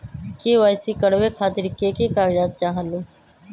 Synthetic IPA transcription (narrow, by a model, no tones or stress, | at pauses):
keʋaːjsikəɽʋekʰaːt̪ɪɾɪkekekaːɾd͡ʒaːt̪̚t͡ʃaːɦənũː